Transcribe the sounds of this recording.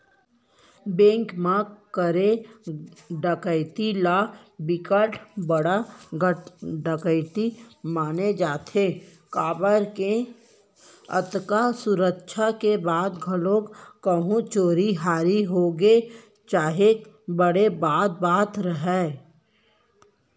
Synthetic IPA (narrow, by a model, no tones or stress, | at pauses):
bẽːŋkmãkəɾe | ɖəkəɪt̪ila | bɪkəʈʰbəɽaɡəɖəkəɪt̪imaːned͡ʒaːt̪ʰe | kaːbəɾke | ə̰t̪kasʊɾəkʃʰakebaːd̪ɡʱəlõːkkəɦũt͡ʃoːɾiɦaːɾiɦoːɡe | t͡ʃaːɦe | bəɽebaːt̪̚baːt̪ɾəɦɛː